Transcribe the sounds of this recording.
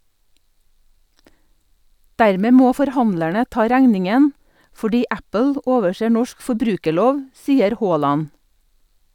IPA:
ˈdæɾˌmeː ˈmoː fɔɾˈhɑnlæɳə ˈtɑː ˈɾæŋnɪŋən fɔˈɖiː ˈæpəl ə ˈoːʋəˌseː ˈnɔʃk fɔˈbɾʉːkəˌɭoːʋ ˈsiːəɾ ˈhoːˌlɑn

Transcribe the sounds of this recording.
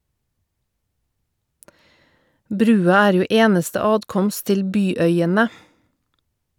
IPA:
ˈbɾʉːɑ ˈæːɾ ˈjuː ˈeːnəstə ˈɑːtˌkɔmst ˈtɪl ˈbyːˌœʏənə

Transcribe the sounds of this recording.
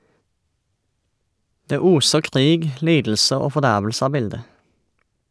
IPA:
ˈdeː ˈuːsə ˈkʁiːɡ ˈliːdl̩sə ˈoː fɔˈdæʁʋl̩sə ˈɑː ˈbɪldə

